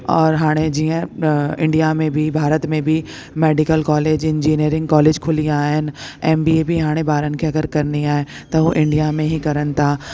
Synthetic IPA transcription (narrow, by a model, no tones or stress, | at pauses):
ɔːɾɦaːɽ̃ed͡ʑiːə̃ɪ̃ɳɖijamẽbʱibʱaːɾət̪mẽbʱi | meːɖɪkəlkɔːleːd͡ʑɪ̃nd͡ʒiːniəɾɪ̃ŋɡ̚kɔːleːd͡ʒkʰʊliaːɦɪnɪ̆ɛːmbiːebʱiɦaːɽ̃ẽbaːɾənɪ̆kʰeɐɡəɾkɐɾniaːet̪ɐɦuʔɪ̃ɳɖijamẽɦikɐɾənɪ̆t̪ʰa